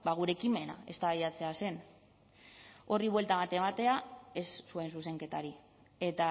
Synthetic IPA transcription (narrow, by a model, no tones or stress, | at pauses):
baɣ̞uɾe̞ːkime̞na̰e̞̰st̪aβajat͡se̞ase̞n | o̞riβwe̞lt̪aβat̪e̞mat̪e̞ae̞sːue̞ns̬use̞ŋke̞t̪aɾi | e̞t̪a